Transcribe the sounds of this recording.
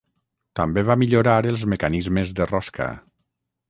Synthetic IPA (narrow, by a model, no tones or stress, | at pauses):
t̪ambeβamiʎoɾaɾelˠzmekanizmezðerɔskʰa̰